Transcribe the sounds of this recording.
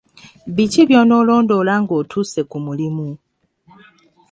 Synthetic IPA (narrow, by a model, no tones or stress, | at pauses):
βiciβjoːno̞ːlo̞ːndo̞ːlaŋɡo̞ːtʰuːse̞kumulimu